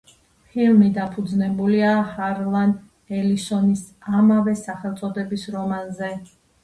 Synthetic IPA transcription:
pʰilmid̪apʰud̪znɛbuliahaɾlˠan | ɛlisɔnis | amavɛsaχɛlˠt̪sʼɔd̪ɛbisɾɔmanzɛ

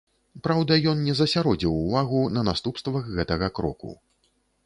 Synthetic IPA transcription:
pɾawd̪ɐjɔnnʲɛzɐsʲaɾɔd͡zʲiwuvaɣunɐnast̪upst̪vɐɣɣɛt̪ɐɣɐkɾɔ̰kṵ

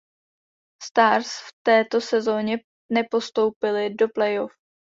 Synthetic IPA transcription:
st̪aːɾsft̪ɛːt̪o̞sɛzo̞ːɲɛ | nɛpo̞st̪o̞wpɪlɪdoplɛjof

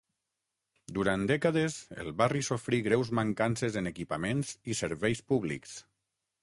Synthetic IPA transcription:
d̪uɾand̪ɛkaðezḛlˠβarisofɾiɣɾɛwzməŋkansezənəkipamenzisəɾβɛjspuβlḭks

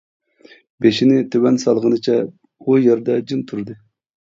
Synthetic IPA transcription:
beʃinɪt̪ʰøwɛnsɑlˠʁənɨt͡ʃʰɛ | ujɛɾd̪ɛd͡ʒint̪ʰuɾd̪ɨ

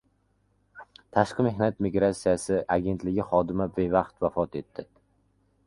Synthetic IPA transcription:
t̪ʰaʃqɨme̞hnat̪miɡɾat̪sijasɪʔaɡʲe̞nt̪lɪɡʲɪχɒd̪ɪmabevɑqt̪vafɒt̪e̞t̪ːɪ

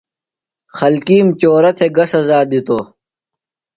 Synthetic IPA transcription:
xɐlkiːmt͡ɕoːɾɐt̪ʰeɡɐsɐzaːd̪it̪oː

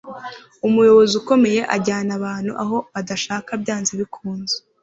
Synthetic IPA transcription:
umujo̞βo̞zuko̞me̞je̞ʔaɟaːnaβaːn̥hṵʔa̰ɦo̞βadaʃaːkabɟaːnziβikʰuːnze

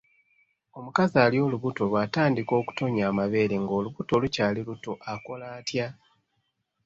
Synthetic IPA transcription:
o̞mukazaːljo̞ːluβuto̞βwaːtaːndiko̞ːku̥to̞ɲaːmaβe̞ːɾeŋɡo̞ːluβuto̞lucaːliluto̞ʔako̞laːtja

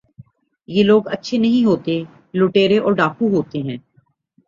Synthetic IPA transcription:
jeːloːɡətːʃʰenɐɦĩɦoːt̪e | loːʈeːɾeʔɔːɾɖaːkʰuɦoːt̪eɦɛ̃ː

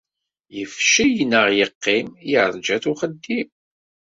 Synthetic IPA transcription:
jəfʃijnːəʁjəqːimjəʕɾˤd͡ʒæθuχəd̪ːim

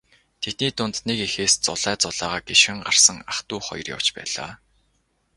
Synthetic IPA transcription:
t̪ʰet̪̚niːt̪ʊnt̪nekexeːst͡sʊɮæːt͡sʊɮ̥aːʁaːɡeʃxɘ̆ŋɢar̥sə̆ŋaχt̪uːχɔ̰jɞ̆rja̰w̥t͡ɕpæ̰ːɮ̥a̰ː

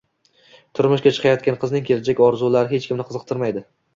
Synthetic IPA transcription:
t̪ʰʊɾmʊʃkʲat͡ʃʰɨ̥qʰɑjɒt̪̚kʲanqʰɨznɪŋkʲʰe̞lad͡ʒakʲɒɾzulaɾɪɦe̞t͡ʃkʲʰɪmnɪqʰɨzɨq̚t̪ʰɪɾmajd̪ɪ

